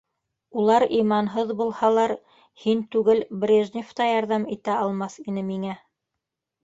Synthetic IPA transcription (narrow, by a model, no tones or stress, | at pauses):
ulˠɑɾimɑnɦɤðbulˠhɑlˠɑɾ | hint̪ʉɡɘlbrʲeʒnʲɪft̪ɑjɑɾðɑmit̪æɑlˠmɑθin̪ɘmiŋæ